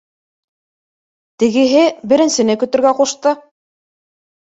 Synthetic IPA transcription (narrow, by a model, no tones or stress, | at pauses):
t̪ɘ̆ɡɘ̆ɦɘbɘ̆ɾɘ̆nsɘ̆nɘkɵ̆t̪ɵ̆ɾɡæquʃt̪ɤ